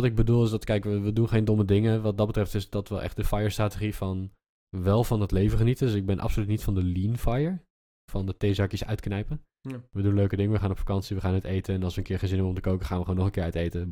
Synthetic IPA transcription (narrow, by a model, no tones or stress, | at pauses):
ɑtɪɡ̚bədulˠɪsdɑtkɛjkʋəʋədunχejndomədɪŋəʋɑt̚dɑtbətrɛftɪsdɑtʋəʔɛ̰χt̚dəfɑjəɹstraːtəχifɑn | ʋɛlˠvɑnətlejvəχənitədɵsɪɡ̚bɛnʔɑ̰psolytnitfɑndəlinfɑjəɹ | fɑndəteːzɑkjəsœ̰ɥtknɛjpən | ʋədunløɥkədɪŋəʋəχaːnɔpfḁkɑnsiʋəχaːnətejtənɛnɑlˠsʋənkɪːɹχenzɪnɦɛbɔmtəkowkəχaːnʋəχwoːnːɔχənkɪːɹœɥtejtə